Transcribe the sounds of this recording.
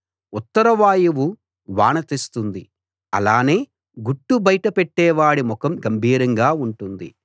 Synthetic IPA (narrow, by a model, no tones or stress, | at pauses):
ut̪ːɐɾɐʋaːjuʋu | ʋaːɳɐt̪ist̪und̪i | ɐ̰laːne̞ː | ɡuʈːubɐjʈɐpɛʈːɛːʋaːɽimɔkɐmɡɐmbʱiːɾɐŋɡaːuɳʈund̪ḭ